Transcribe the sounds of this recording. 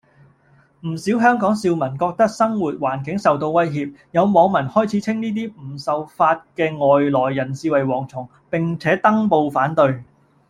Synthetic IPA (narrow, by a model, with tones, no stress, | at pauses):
m̩˨˩siː˨˥wɦœː˥ŋkɔː˨˥ŋsiː˧wmɐ˨˩nkɔː˧k̚t̪ɐ˥k̚sɐ˥ŋwuː˨t̚waː˨˩nkɪ˨˥ŋsɐ˨wt̪o˧wwɐ˥jɦiː˧p̚jɐ˨˧wmɔː˨˧ŋmɐ˨˩nhɔː˥jt͡sʰi˨˥t͡sʰɪ˥ŋniː˥t̪iː˥m̩˨˩sɐ˨wfaː˧t̚kɛː˧ŋɔː˨jlɔː˨˩jːɐ˨˩nsiː˧wɐ˨˩jwɔː˨˩ŋt͡sʰʊ˨˩ŋ | pɪ˨˩ŋt͡sʰɛː˨˥t̪ɐ˥ŋpo˧wfaː˨˥nt̪ɵ˧ɥ